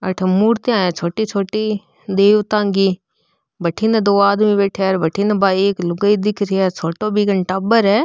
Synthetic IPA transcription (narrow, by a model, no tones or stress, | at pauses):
ə̰ʈʰemuːɾt̪ɪãːjãːt͡ʃʰoːʈiːt͡ʃʰoːʈiː | d̪eːʋt̪ãːŋɡiː | bəʈʰːiːnãd̪oːaːd̪mĩːbɛːʈʰaɾbəʈʰiːnabaːeːklʊɡəiːd̪ɪkʰɾɪɛːt͡ʃʰoːʈõːbiːɡəɳʈaːbəɾɛː